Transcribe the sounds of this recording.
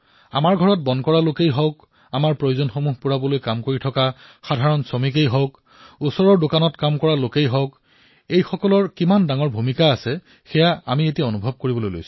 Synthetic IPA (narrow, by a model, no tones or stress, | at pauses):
a̰maɹɡʱɔɹɔt̚bɔnkɔɹalokejɦɔwk | amaɹpɹojozɔnxomuɦpuɹabɔlojkamkoɹitʰɔkaxadʱaɹɔnsomikejɦɔwk | usɔɹɔɹdokanɔtkamkɔɹalokejɦɔwk | ejxɔkɔlɔɹkimandaŋɔɹbʱumikaːsɛ | xɛjaamietiaonubʱɔb̚koɹibɔlojlo̰jsʊ̥̃